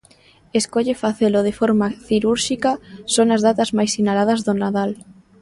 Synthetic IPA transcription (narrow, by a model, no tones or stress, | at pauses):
eskoʎefaθeloð̞efoɾmaθiɾuɾʃikasonazðat̪azmajsinalað̞ɐzðonaðal